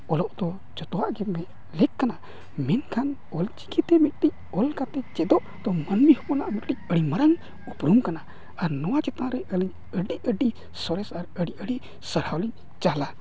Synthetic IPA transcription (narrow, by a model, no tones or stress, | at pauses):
ɔlɔʔd̪ɔ | t͡ʃɔt̪ɔwaʔɡɛmɛʔ | lɛkːana | mɛnkʰan | ɔlt͡ʃi̥ɡit̪ɛmit̪̚ʈic̚ɔlkat̪ɛt͡ʃɛd̪ɔʔd̪̥ɔmənmihɔpɔnaʔmiʈ̚ʈic̚əɽimaɾaŋ | upɾumkana | aɾnɔwat͡ʃɛt̪ãɾɛʔəliɲ | əɖiəɖi | sɔɾɛsaɾəɖiəɽi | səɾhawliɲ | t͡ʃala